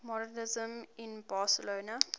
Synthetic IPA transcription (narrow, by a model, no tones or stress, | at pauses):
mɔdənɪzə̃mɪ̃nbaːsəloːna